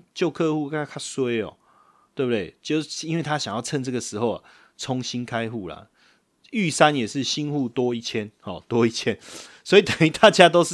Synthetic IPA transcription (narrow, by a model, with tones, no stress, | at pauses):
t͡ɕjo˥˧ʊkʰɤ˥˧xu˥˧˥kʰa˥˩swe˦˥ɪɔ̰˨ | t̪we˥˨˩bu˨d̪we˥˩ɪt͡ɕjo˥˨˧i˦nwe˥˩ɪt̪ʰa˦ɕjɑ˨ŋjɑ˥˧ʊt͡sʰə˥˧nʈ͡ʂɤ˥˩ɡə˨˩ʂɻ̩˧˥xo˥˨ʊa̰˨˩ | t͡sʰɔ˧˦ŋɕi˦nkʰa˦ɪxu˥˩lɐ̰˩ | y˥˨sa˦njɛ˨˩ʂɻ̩˥˨ɕi˦˥nxu˥˨t̪wɔ˦i˥˩t͡ɕʰjɛ˦nhɔ˨t̪wɔ˦i˥˩t͡ɕʰjɛ˦nswɔ˧˦˥i˨t̪ə˨˩ŋy˨˥t̪ʰa˥˨t͡ɕja˦t̪o˥ʊʂ̩˥˩